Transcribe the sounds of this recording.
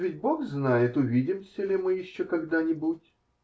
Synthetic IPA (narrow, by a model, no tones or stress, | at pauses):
vʲɪtʲboxznajɪt̪ʊvʲidʲɪmsʲəlʲɪmɨjɪɕːokɐɡd̪anʲɪbutʲ